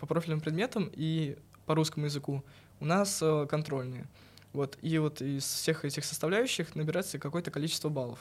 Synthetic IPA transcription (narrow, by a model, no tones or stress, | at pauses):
pɐpɾoɪlʲnɨmpɾʲɪd̪mʲe̞t̪əmi | pɐɾuskəmʊjɪzɨku | ʊnasəkɐnt̪ɾo̞lʲnɨjə̰ | vo̞t̪ʰivo̞t̪ɪsfsʲe̞xɛtʲɪxsə̥st̪ɐvlʲæjʉɕːɪxnəbʲɪɾat̪səkɐko̞jət̪əkɐlʲit͡ɕɪst̪vəbalˠəf